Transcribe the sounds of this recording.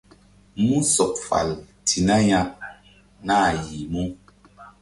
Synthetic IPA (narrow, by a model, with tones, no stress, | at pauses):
mu˦sɔ˨p̚fa̰˨l | tʰi˨na˦ɲa˦ʔ | na˦˨ji˨mu˦